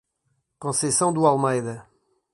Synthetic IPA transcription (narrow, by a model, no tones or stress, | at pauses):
kõsesɐ̃w̃d̪ualˠmɐjðɐ